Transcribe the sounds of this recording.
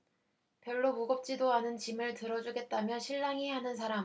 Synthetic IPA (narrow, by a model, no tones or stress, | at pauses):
pjʌɭːomuɡʌp̚t͡ɕ͈idoanɯnt͡ɕimɯɭtɯɾʌd͡ʑuɡe̞t̚t͈amjʌɕʰiɭːaŋiɦanɯnsʰaɾam